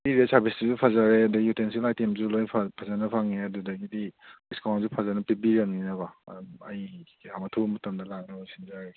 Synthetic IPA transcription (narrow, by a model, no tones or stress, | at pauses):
biɾesaɾbisduzupʰazaɾeɐdujutensilajtemzulojpʰapʰazanɐpʰaŋeɐdudɐɡidiiskawnzupʰazanɐpibiɾɐŋninɐbaɐ̰duɐ̰j | amɐtʰubɐmɐtɐmdɐlak̚nɐojsinzaɾe